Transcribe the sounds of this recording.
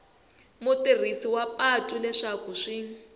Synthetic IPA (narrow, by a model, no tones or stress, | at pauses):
mʊtir̤isiwapʼatʼulɛʂakuʂi